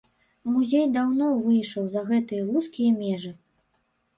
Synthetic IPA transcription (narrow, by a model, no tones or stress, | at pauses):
muzʲejd̪awnɔvɨjʂɐwzɐɣɛt̪ɨjɐɾuskʲijɐmʲɛʐɨ